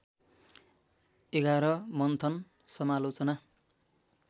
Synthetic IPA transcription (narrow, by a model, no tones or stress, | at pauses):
eɡaɾʌmʌnt̪ʰʌn | sʌmalot͡sʌna